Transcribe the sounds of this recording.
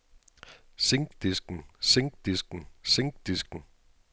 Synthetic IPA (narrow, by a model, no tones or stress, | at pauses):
seŋɡ̥d̥isɡ̥n̩seŋɡ̥̚d̥isɡ̥n̩seŋɡ̥̚d̥isɡ̥n̩